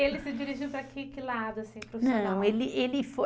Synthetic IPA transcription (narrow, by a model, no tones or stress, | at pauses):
elɪsɪd͡ʒiɾiʒiwpɾakekɪlad̪ʊasĩpɾofnɐ̃w̃elɪʔelɪfo